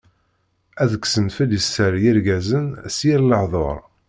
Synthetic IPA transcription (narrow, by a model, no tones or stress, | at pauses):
æðəkːsənfəljəsːəɾjɪɾɡæzənsjiɾləħðˤo̰ɾˤ